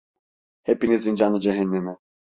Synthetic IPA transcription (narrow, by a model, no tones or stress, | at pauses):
hɛpinizind͡ʒanud͡ʒɛɦɛnːɛmɛ